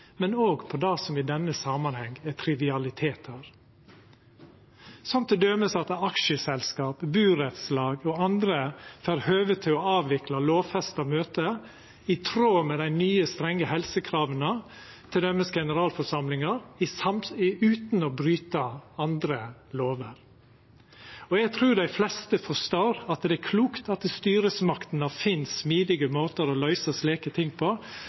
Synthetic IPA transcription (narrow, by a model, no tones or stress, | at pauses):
mɛnoːɡpʰɔd̪ɑːsɔmɪd̪ɛnːəsɑːmɑnhɛŋæt̪ʰɾɪʋɪɑlɪt̪ʰeːt̪ʰəɾ | sɔmt̪ʰɛd̪œːməsɑt̪ɑkʃəsɛlskɑːpbʉːɾɛt̪slɑːɡɔɑnd̪ɾəfæːɾhøːʋət̪ʰːɪlɔɑːʋʋɪklɑloːʋfɛst̪ɑmøːt̪ə | ɪt̪ʰɾoːmɛd̪æɪnyːəst̪ɾɛŋːəhɛlsəkʰɾɑːʋənə | t̪ʰɪld̪ɛmɛsɡɛnəɾɑːlfɔʂɑmlɪŋɑɾɪsɑmʉːt̪nɔbɾyːt̪əɑnd̪ɾəloːʋəɾ | ɔɛɡ̚t̪ʰɾʉːd̪æɪflɛst̪əfɔʂt̪oːɾɑt̪d̪ɛækʰluːkt̪ɑt̪st̪yːɾəsmɑkt̪n̩ɑfɪnssmiːd̪ɪɡəmoːt̪əɾɔlœʏsəsleːkət̪ʰɪŋːpʰɔ